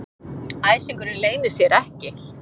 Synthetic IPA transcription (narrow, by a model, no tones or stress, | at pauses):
aːjsiŋkʏɾɪleːjnɪɾ̥sjɛɾɛhcɪ